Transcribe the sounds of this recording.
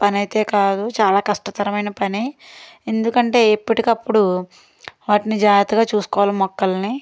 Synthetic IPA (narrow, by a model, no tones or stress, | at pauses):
pɐnɐjt̪e̞ːkaːd̪ut͡ʃaːlaːkɐʂʈɐt̪ɐɾɐmɐjnɐpɐni | e̞nd̪ukɐɳʈe̞ːepːuʈikɐpːuɽu | ʋaːʈinid͡ʒaːɡɐt̪ɐɡaːt͡ʃuːsu̥kɔːʋalɐmːɔkːɐlɐni